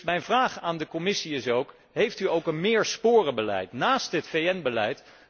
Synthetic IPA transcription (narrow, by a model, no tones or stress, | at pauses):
mɛjnvraːχaːndəkɔmɪsiɪsowk | ɦejftyowkənmɪːɹspʊːrəbəlɛ̰jtnaːstɦətfejɛnbəlɛjt